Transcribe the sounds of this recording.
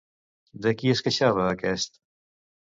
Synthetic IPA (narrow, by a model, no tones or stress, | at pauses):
d̪əkiəskəʃaβəːkɛst̪